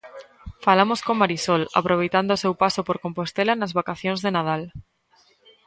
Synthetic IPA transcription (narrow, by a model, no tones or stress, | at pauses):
falamoskomaɾisola̰pɾoβ̞ejt̪and̪oːsewpasopoɾkompost̪elanazβakaθjõŋzðenaðal